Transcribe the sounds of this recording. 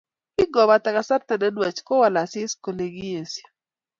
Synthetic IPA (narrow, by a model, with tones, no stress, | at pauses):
ɪ˦ɡɔ˨ba˨ta˨ka˨sa˦rt̪ɛ˨dɛ˦dwa˨t͡ʃkɔ˦wa˨la˨sɪ˦sko˨le˨ɡi˦je˨sja˨